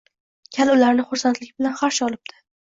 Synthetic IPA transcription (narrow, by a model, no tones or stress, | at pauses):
kʲʰalʊlaɾnɪχʊɾsant̪lɪkʲbɪlanχaɾʃɒlˠɪb̚t̪ʰɪ̥